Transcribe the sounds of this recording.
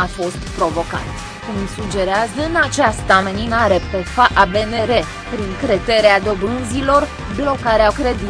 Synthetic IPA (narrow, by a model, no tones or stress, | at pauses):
afo̞st̪pɾo̞vo̞ka̰t̪ | kumsud͡ʒe̞ɾeazəɨnat͡ʃast̪ameninaɾe̞pe̞faʔabe̞ne̞ɾe̞ | pɾiŋkɾe̞t̪e̞ɾead̪o̞bɾɨnzilo̞r | blo̞kaɾeakɾe̞d̪i